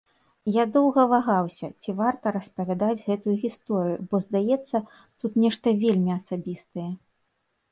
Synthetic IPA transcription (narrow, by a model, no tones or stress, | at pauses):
jad̪ɔwɣɐvaɣawsʲɐ̰t͡sʲivart̪ɐɾɐspɐvʲad̪ad͡zʲɣɛt̪ujuɣʲist̪ɔɾɨjubɔzd̪ajɛt̪sːɐ | t̪ut̪nʲɛʂt̪ɐvʲelʲmʲiɐsabʲist̪ɐjɛ